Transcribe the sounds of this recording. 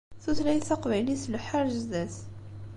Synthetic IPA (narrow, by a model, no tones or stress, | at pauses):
θuθlæjθɑqvæjlislħaɾʒðæs